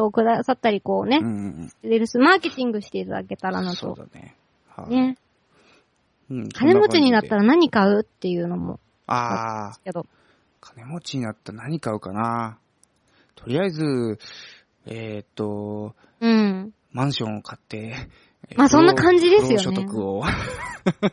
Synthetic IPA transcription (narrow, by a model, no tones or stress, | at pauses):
ookɯ̟d̪asat̪ːaɾʲiko̞ːne̞st̪ːeɾeɾɯ̟sɨmaːke̞t̪ʲĩŋɡɯ̟ɕi̥t̪e̞it̪ad̪a̰ke̞t̪aɾa̰nast̪o̞̰d̪a̰nḛ | ha̰ne̞ | kʰane̞mo̞t͡ɕiɲ̟inat̪ːaɾanaɲ̟ikaɯ̟t̪ːe̞jɯ̟ːno̞mo̰ | asked̪o̞ | kʰḁne̞mo̞t͡ɕiɲ̟inat̪ːanaɲ̟ikaɯ̟kana | t̪ʰo̞ɾʲiaizɨ | et̪ːo̞ | ɯ̟̃ɴ | mãɰ̃ɕõɰ̃okʰat̪ːe̞ | maːsõ̞nːakãɲ̟d͡ʑid̪e̞sɨjo̞ɕoet̪okɯo